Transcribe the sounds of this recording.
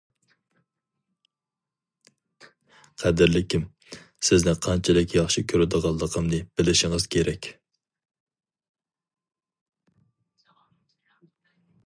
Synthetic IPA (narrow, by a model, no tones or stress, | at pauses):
qʰæd̪ɪɾlɪkʲʰim | sɪznɪqʰɑnt͡ʃʰɛlɪkʲjɑχʃikʲʰøɾɪd̪əʁɑlˠːəqʰəmnɨb̥ɪlɪʃɪŋɨz̥kʲʰeɾɛkʲ